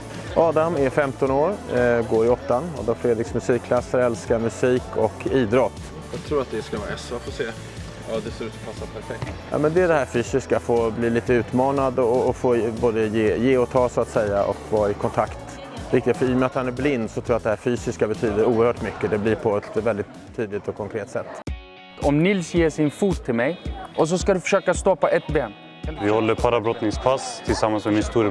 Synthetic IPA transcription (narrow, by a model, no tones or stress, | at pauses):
ʔɑːd̪amæɾfɛmt̪ɔnoːɾɡoːɾɪɔt̪ːanɑ̰ːd̪amfɾeːd̪ɾɪksmɵsiːkʰːlasːəɾɛlskamɵsiːkʰɔkʰiːd̪ɾɔt̪ː | jɑt̪ʰɾuːɾat̪̚d̪ɛskavɑ̰ɾɛsafoːseː | ɑːd̪ɛsoɾʉ̟t̪sɔmfasːapʰæɾfɛk̚t̪jɑ̰ːmɛnd̪ɛæɖɛhæːɾfyːsɪskafoːbliːliːt̪əʉ̟ːt̪mɑːnad̪ɔɔːfoːboːd̪əjeːjeːɔt̪ʰɑːsʊat̪sɛjːaʔɔ̰kvɑːɾaɪkʰɔnt̪ʰakt̪ | ɾɪk̚t̪ɪɡ̪fœɾɪːjɔmɛat̪hanæɾblɪnd̪sɔt̪ʰɾuːjat̪d̪ɛhæːɾfyːsɪskabɛt̪ʰyːd̪əɾuːəɾhœːʈmʏkːəd̪ɛblɪɾpʰɔɛt̪vɛld̪ɪt̪ʰːyːd̪lɪt̪ɔkʰːɔŋkʰɾeːt̪ːsɛt̪ː | ɔmnɪlsjeːʂɪnfuːt̪ʰːɪlmɛjʔɔs̬ɔskad̪ɵfœ̥ʂøːkast̪ɔpːaʔɛt̪beːn | vɪhɔlːəɾpʰaɾabɾɔt̪nɪŋspʰast̪ʰɪlsamːansmɛmɪnst̪uːɾ